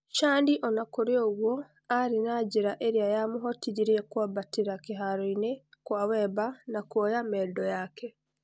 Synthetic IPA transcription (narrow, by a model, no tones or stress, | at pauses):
ʃaːndiʔɔnakoɾjoːɣwɔ | aɾinaːɟiɾaʔeɾiajamuɦɔtiɾiɾiekwabatiɾakeɦaɾɔinekwaːwɛbanakwojamɛːdɔjakʰɛ